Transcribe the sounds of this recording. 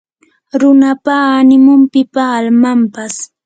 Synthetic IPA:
ɾʊnapaːnɪmʊmpɪpaːlmampas

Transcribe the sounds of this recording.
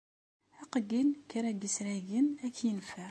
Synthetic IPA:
æqəɡilkəɾæɡəsɾæʝənækːjənfæ

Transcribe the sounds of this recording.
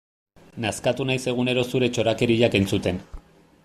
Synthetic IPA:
naskat̪unajse̞ɣ̞une̞ɾo̞suɾe̞t͡ʃo̞ɾake̞ɾiʎakejnsut̪e̞n

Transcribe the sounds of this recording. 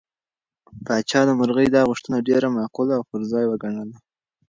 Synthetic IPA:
pɑt͡ʃɑd̪əmʊɾɣəjd̪ɑɣʊʂt̪ənaɖeɾamaqulaːwpəɾzɑjwəɡaɳəla

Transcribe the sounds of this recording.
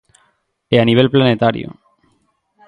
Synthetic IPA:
eaniβ̞e̞lplanet̪aɾjo̰

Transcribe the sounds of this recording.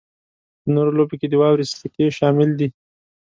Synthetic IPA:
pənoɾoloboked̪əwɑwɾist̪əkeʃɑmɪld̪i

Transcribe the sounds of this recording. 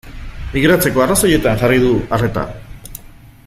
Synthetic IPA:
miɣɾat͡se̞ko̞araso̞je̞t̪aŋʝarið̞uare̞t̪a̰

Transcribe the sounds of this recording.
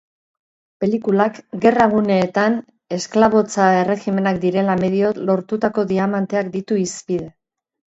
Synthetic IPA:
pe̞likulakɡe̞raɣ̞une̞ːt̪an | e̞sklaβ̞o̞t͡sae̞re̞xime̞nakd̪iɾe̞lame̞ðio̞lo̞ɾt̪ut̪ako̞ðiamant̪e̞akd̪it̪uispið̞e̞

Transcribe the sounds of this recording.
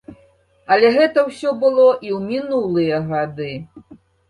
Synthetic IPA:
ɐlʲɛɣɛt̪ɐwsʲɔbɨlˠɔʔiwmʲinulˠɨjɐɣad̪ɨ

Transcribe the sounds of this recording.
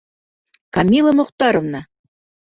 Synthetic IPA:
kɑmʲilˠəmŏqt̪ɑɾovnɑ

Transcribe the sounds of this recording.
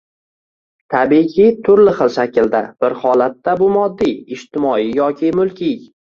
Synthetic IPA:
t̪ʰabikʲʰɪt̪ʰʊɾlɪχɨlˠʃakʲɪld̪ab̥ɪɾhɒlat̪ːabʊmɒd̪ːiɪʃt̪ɪmɒijɒkʲʰɪmʊlˠkʲʰij

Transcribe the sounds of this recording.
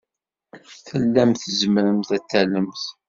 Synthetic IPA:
θəlːæmθəzəmɾəmθæt͡s̪ːæləmθ

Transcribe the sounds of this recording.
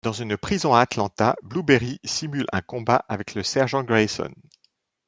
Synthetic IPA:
d̪̥ɑ̃zynpχizɔ̃aːt̪lɑ̃t̪ablubeʁisimylɛ̰̃kɔ̃baʔavɛkləsɛʁʒɑ̃ɡʁesɔ̰n

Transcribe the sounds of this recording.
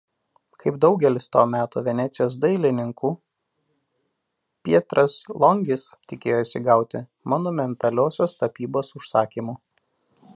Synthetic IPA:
kʰɐɪb̚d̪ɒʊɡʲɛlʲɪst̪oːmʲæːt̪oːʋʲɛnʲæːt̪sʲɪjoːs̬d̪ɐɪlʲɪnʲɪŋkuː | pʲiɛt̪ɾɐslˠɔŋʲɡʲɪst̪ʲɪkʲeːjoisʲɪɡɑˑʊt̪ʲɪ | mɔnʊmʲɛnt̪ɐlʲoːsʲoːst̪ɐpʲiːboːsʊʃsɑːkʲiːmuː

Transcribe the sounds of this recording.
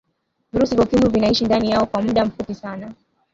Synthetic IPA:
viɾusivjakimuvinaiʃindanijaɔkwam̩ɗam̩fupisana

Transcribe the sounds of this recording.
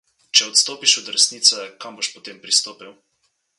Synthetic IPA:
t͡ʃɛɔt̪st̪oːpiʃɔd̪ɾɛsniːt̪sɛkamboʃpɔt̪eːmpɾist̪oːpiw

